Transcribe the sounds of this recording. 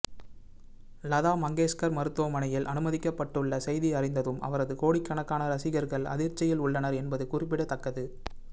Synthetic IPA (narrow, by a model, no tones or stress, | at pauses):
lɐðaːmɐŋɡeːskɐɾmɐɾɯt̪ːoːmɐnɐjɪlʔɐnɯmɐðɪkːɐpːɐʈːɯɭːɐsɛjðiɐrɪnd̪ɐðɯmʔɐ̰ʋɐɾɐðɯkoːɽɪkːɐɳɐkːaːnɐɾɐsɪɣɐɾɣɐɭɐ̰ðɪɾt͡ʃːɐjɪlʊɭːɐnɐɾɛnbɐðɯkʊrɪpːɪɽɐt̪ːɐkːɐðɯ